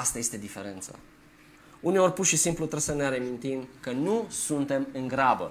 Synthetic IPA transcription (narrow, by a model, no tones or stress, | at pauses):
ast̪aje̞st̪e̞d̪ife̞ɾe̞nt̪sa̰ | uneo̞rpurʃisimplut̪ɾesəneaɾemint̪imkənusunt̪e̞mɨŋɡɾabə̰